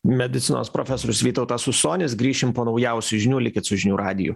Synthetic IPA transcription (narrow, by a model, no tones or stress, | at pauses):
mʲɛd̪ʲɪt̪sʲɪno̰ːspɾoːfʲɛsoːɾʲʊsʋʲiːt̪ɐʊt̪ɑsʊsoːnʲɪsɡɾʲiːʃʲɪmpoːnɒʊjɛʊsʲʊʒʲɪnʲuːlʲɪkʲɪt̪sʊʒʲɪnʲuːɾɑːd̪ʲɪjʊ̰